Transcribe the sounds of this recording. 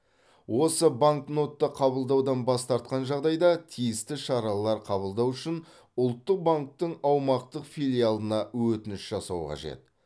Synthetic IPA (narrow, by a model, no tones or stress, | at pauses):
wʔo̞səbaŋkno̞t̪ːəqʰɑβəlˠd̪ɑwd̪ɑnbɑst̪ɑɾt̪̚qɑnʒɑʁd̪ɑjd̪ɑt̪ʰijɪst̪ɪʃɑɾɑlˠɑɾqʰɑβəlˠd̪ɑwʏʃɪn | ʊlˠt̪ːəq̚baŋk̚t̪əɴɑwmɑqt̪əqfijlʲijalˠənɑwɵt̪ɪnɪʃʒɑsɑwqʰɑ̰ʒe̞̰t̪̚